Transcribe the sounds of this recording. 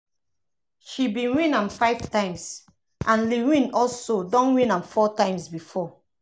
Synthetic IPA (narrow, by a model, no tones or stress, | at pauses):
ʃibĩnwĩnãmfaɪv̥tãɪ̃ms | ʔãnliwĩnɔlsodɔ̃nwĩnãmfɔtãɪ̃msbifɔ